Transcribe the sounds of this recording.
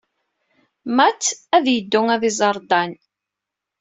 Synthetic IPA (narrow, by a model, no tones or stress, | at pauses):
mæt͡sːæðjəd̪ːʊŋæðizˤɑɾˤd̪ˤɑn